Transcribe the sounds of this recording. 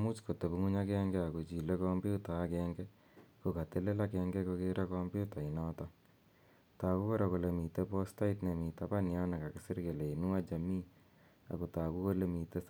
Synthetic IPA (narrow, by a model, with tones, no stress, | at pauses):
mu˦t͡ʃko˨te˨bu˦ŋu˦ɲa˦kɛːŋɡɛ˦a˨ko˨t͡ʃi˨le˦kɔ˦mbi˦u˦ta˨˦kɛŋɡɛ | ko˨ka˨te˦le˦la˦kɛŋɡɛ˦ko˧keɾʔa˦kɔmbju˦ta˨inɔːtɔ | ta˨ku˦ko˦ɾa˨ko˨le˨mi˨te˦pɔ˦sta˦ɪtne˨mi˨ta˦pa˦nja˦na˨ka˨kɪsi˦ɾke˨le˨i˨nu˦a˦t͡ʃa˨mi˦ | a̰˨ko˨taː˨ku˦ko˦le˦mi˨te˦